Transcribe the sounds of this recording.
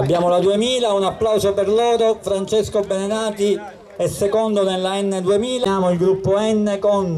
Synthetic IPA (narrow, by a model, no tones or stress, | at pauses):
abːjaːmolad̪uemiːlaunapːlawzoperloːɾofɾant͡ʃeskobenenaːt̪i | ɛsːekond̪onelːaɛnːed̪uemiːlaaːmoilɡɾupːoɛnːekon